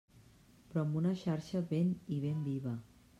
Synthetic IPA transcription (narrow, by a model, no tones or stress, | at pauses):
pɾɔɐmbunəʃaɾʃəβeniβ̞embiβə